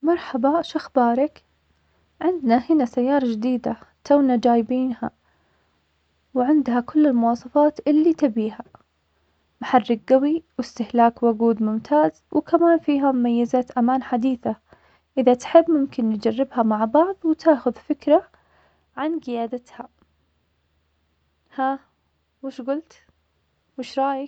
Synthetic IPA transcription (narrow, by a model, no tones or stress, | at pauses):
mɑɾˤħabaʃaxbɑːɾˤɑk | ʕɪnd̪nahɪnasajːɑːɾˤɑd͡ʒɪd̪iːd̪at̪awnad͡ʒaːjbiːnha̰ | wʕɪnd̪hakʊlːɪlmʊwɑːsˤɑfɑːt̪ʔɪlːit̪abiːha | maħɑrːɪk̚ɡawiwɪst̪ɪhlaːkwʊɡuːd̪mʊmt̪ʰaːz | wɪkamaːnfiːɦamʊmajːazaːt̪ʔamaːnħad̪iːθa | ʔɪðat̪ħɪbːmʊmkɪnjɪd͡ʒarːɪbhamaʕbɑʕðˤwt̪ʰaːxʊðfɪkɾa | ʕanɡɪjaːd̪at̪ha | ha | wɪʃɡʊlt̪ | wɪʃɾˤɑːjɪ